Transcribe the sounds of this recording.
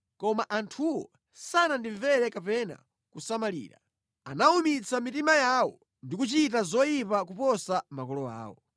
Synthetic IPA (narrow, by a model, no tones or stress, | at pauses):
kɔmaʔantʰuwɔ̰ | sanandiɱvɛɾɛkapɛna̰ | kusamalḭːɾa̰ | a̰naumit͡sʰamitimajaːwɔ | ndikut͡ʃitazɔjipak̬upɔsamakɔlɔa̰ːwɔ̰